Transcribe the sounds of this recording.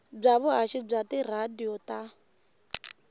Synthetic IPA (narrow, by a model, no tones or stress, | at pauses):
b͡ʐaβʊɦaʃib͡ʐatir̤adiɔta